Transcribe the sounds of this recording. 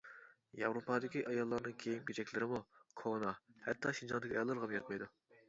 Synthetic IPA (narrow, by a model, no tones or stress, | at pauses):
jɑvɾopɑd̪ɪkʲiʔɑjɑlˠːɑɾnɨŋkʲʰejimɡʲet͡ʃɛkʲlɪɾɪmukʰonɑhɛt̪ʰːɑʃind͡ʒɑnd̪ɪkʲiɑjɑlˠːɑɾʁɑmjɑt̪̚mɑjd̪u